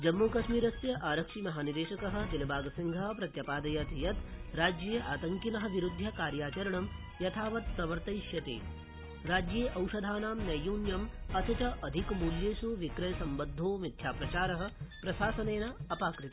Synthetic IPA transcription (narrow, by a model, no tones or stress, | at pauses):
d͡ʒɐmːuːkɐʃmiːɾɐsjɐʔaːɾɐkʂiːmɐɦaːnid̪eːʃɐkɐɦɐ̆d̪ilɐbʱaːɡɐsiŋɡʱɐɦɐ̆pɾɐt̪jɐpaːd̪ɐjɐt̪jɐt̪ɾaːd͡ʒjeːʔaːt̪ɐŋkinɐɦɐ̆ʋiɾud̪ʱːjɐkaːɾjaːt͡ʃɐɾɐɳɐm | jɐt̪ʰaːʋɐt̪̚pɾɐʋɐɾt̪ɐjʃjɐt̪ḛː | ɾaːd͡ʒjeːʔɐwʃɐd̪ʱaːnaːmnɐjuːnjɐmɐt̪ʰɐt͡ʃɐʔɐd̪ʱikmuːljeːʃuʋikɾɐjɐsɐmbɐd̪ʱːoːmit̪ʰjaːpɾɐt͡ʃaːɾɐɦɐ̆pɾɐʃaːsɐneːnɐɐpaːkɾɪt̪i̥